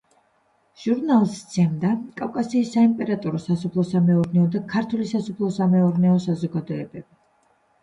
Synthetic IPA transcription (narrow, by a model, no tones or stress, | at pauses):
ʒ̥uɾnalˠst̪sʰɛmd̪akʼavkʼasiːsːaimpʼɛɾat̪ʼɔɾɔsasɔpʰlˠɔsamɛɔɾnɛɔd̪akʰaɾt̪ʰulisasɔpʰlˠɔsamɛɔɾnɛɔsazɔɡad̪ɔɛbɛb̥i